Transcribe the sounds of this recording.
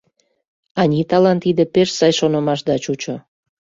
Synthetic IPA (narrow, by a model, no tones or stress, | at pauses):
ɑnʲit̪ɑlɑnt̪id̪epeʃsɑjʃonomɑʃd̪ɑt͡ɕut͡ɕo